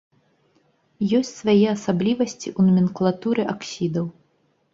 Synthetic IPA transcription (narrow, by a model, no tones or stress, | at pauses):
jɔsʲt͡sʲsvajɛasablʲivɐsʲt͡sʲiʔunmʲinklˠat̪uɾɨʔaksʲid̪ɐw